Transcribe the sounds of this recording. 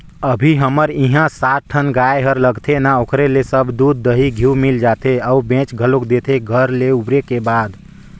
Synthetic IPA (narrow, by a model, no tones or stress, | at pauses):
əbʱiɦəməɾiɦãsat̪̚ʈʰənɡaeɦəɾləɡt̪ʰenaokɾelesəbʱd̪ud̪̚ːəɦiɡʱiwmild͡ʒat̪eəubẽt͡ʃɡʱəlokd̪et̪ʰeɡʱəɾleubɾekebaːd̪